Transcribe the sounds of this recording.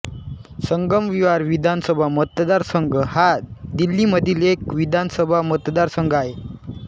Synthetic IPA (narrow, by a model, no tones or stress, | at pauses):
səŋɡəmʋiʋaɾʋid̪ʱansəbʱamət̪d̪aɾsəŋɡʱəhad̪ilːiməd̪ʱiːlekʋid̪ʱansəbʱamət̪d̪aɾsəŋɡaɦe